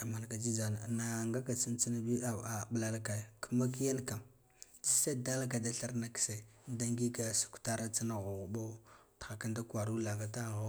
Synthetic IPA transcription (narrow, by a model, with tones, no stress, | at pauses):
a˨ma˨n˨ka˨d͡ʒi˦za˨na˨na˨ŋɡa˦ka˨t͡si˦nt͡si˦na˦bi˦a˨a˨ɓla˦˨lka˨kʰa˦ma˦ki˦ja˦nka˨ | d͡ʒi˦sa˦da˦lka˨da˦ɬa˦ɾna˨ki̥˨se˨da˦ŋɡi˦ka˨su̥˨ku̥˨ta˦ɾa˦t͡sa˦na˨ɣu˨ɣu˨bo˦txa˨ka˦nda˦kwa˨ɾu˦la˨ŋɡa˨ta˦ɣo˦